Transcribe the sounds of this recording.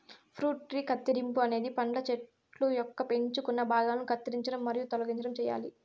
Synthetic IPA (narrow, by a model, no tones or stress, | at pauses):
pʰɾuːʈɾiːkɐt̪ːiɾimpuɐne̞ːd̪ipɐɳɖɐt͡ʃeʈ | lujɔkːɐpe̞ɲt͡ʃukunːɐbʱaːɡaːlɐnukʰɐt̪ːiɾiɲt͡ʃɐɽɐmːɐɾijut̪ɔlɐɡiɲt͡ʃɐɽɐmt͡ʃɛːja̰ːli